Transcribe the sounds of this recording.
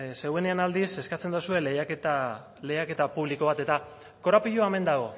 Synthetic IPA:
se̞ɣwe̞ne̞anald̪ise̞skat͡se̞nd̪usue̞lejaket̪a | le̞jake̞t̪apuβliko̞β̞at̪e̞t̪a | ko̞ɾapiʎoame̞nd̪aɣ̞o̞

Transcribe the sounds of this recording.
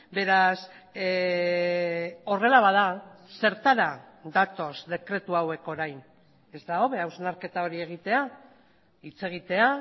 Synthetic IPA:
be̞ɾas | o̞re̞laβað̞ase̞ɾt̪aɾa | d̪at̪o̞zd̪e̞kɾe̞t̪uawe̞ko̞ɾajn | e̞zd̪ao̞βe̞awsenaɾke̞t̪ao̞ɾie̞ɣ̞it̪e̞a | it͡se̞ɣ̞it̪e̞a

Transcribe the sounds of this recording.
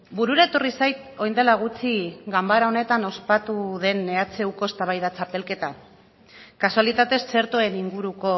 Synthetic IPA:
buɾuɾae̞t̪o̞risajt̪o̞jnd̪e̞laɣ̞ut͡siɡambaɾao̞ne̞t̪ano̞spat̪uð̞e̞nːe̞at͡se̞wko̞est̪aβ̞ajðat͡sape̞lke̞t̪a | kasualit̪at̪e̞sːe̞ɾt̪oe̞niŋɡuɾuko̞

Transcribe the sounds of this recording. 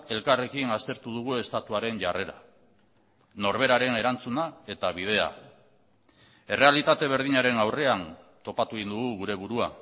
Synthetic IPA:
e̞lkare̞kinast̪e̞ɾt̪uð̞uɣue̞st̪at̪uaɾe̞nʝare̞ɾa̰ | no̞ɾβe̞ɾaɾe̞ne̞ɾant͡sunae̞t̪aβ̞ið̞e̞a̰ | e̞re̞alit̪at̪e̞β̞e̞ɾð̞iɲaɾe̞nawre̞ant̪o̞pat̪uind̪uɣuɣuɾe̞βuɾua

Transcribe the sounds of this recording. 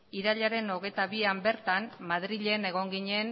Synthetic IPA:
iɾaʎaɾe̞no̞ɣe̞jt̪aβiambe̞ɾt̪anmaðɾiʎe̞ne̞ɣ̞o̞ŋɡiɲe̞n

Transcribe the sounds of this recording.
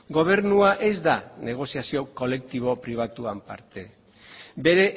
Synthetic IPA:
ɡo̞β̞e̞ɾnuaʔe̞zd̪ane̞ɣ̞o̞siasio̞ko̞le̞k̚t̪iβ̞o̞pɾiβ̞at̪uampa̰ɾt̪e̞ | be̞ɾe̞

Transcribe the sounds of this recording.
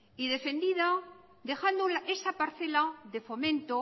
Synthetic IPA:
iðe̞fe̞nd̪iða | d̪e̞xand̪olaʔe̞sapaɾθe̞laðe̞fo̞mẽ̞nt̪o

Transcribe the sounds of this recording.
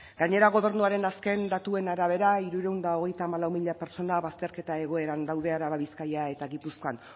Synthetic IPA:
ɡ̥aɲe̞ɾaɣo̞β̞e̞ɾnuaɾe̞naske̞nd̪at̪ue̞naɾaβ̞e̞ɾaiɾuɾewnd̪ao̞ɣ̞e̞jt̪aːmalawmiʎape̞ɾt͡ʃo̞naβast̪e̞ɾke̞t̪ae̞ɣ̞o̞e̞ɾand̪awðe̞aɾaβaβiskajae̞t̪aɣipusko̞an

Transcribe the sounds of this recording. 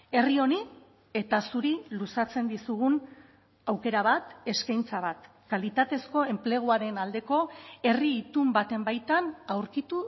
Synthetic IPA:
e̞rio̞ni | e̞t̪asuɾilusat͡se̞nd̪isuɣun | awke̞ɾaβ̞at̪e̞skajnt͡saβ̞at̪ | kalit̪at̪e̞sko̞e̞mple̞ɣ̞uaɾe̞nald̪e̞ko̞e̞riːt̪umbat̪e̞mbajt̪anawɾkit̪u

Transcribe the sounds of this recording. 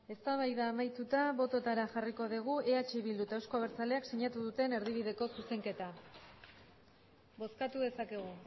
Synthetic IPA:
e̞st̪aβajðaːmajt̪ut̪aβo̞t̪o̞t̪aɾaʝariko̞ðiɣ̞ue̞at͡ʃe̞βild̪ut̪aewsko̞aβeɾt͡sale̞aksiɲat̪uð̞ut̪e̞ne̞ɾðiβ̞iðe̞ko̞suse̞ŋke̞t̪a | bo̞skat̪uðe̞sake̞ɣ̞u

